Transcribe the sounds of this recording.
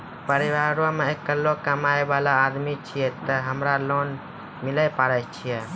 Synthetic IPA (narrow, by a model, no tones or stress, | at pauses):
pəɾiʋaɾomeekːəlːokəmaebalaːd̪mit͡ʃʰijɛt̪əɦəmɾalon | miləjpaɾət͡ʃʰijɛ